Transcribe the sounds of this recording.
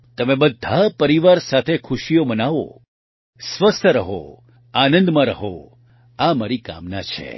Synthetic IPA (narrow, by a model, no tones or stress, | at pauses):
t̪əmẽbəd̪ʱːapəɾiʋaɾsat̪ʰekʰʊʃijomənaʋo̰ | sʋəst̪ʰəɾəɦo̰ | anə̃nd̪mãɾəɦo | amaɾika̰mnat͡ʃʰḛ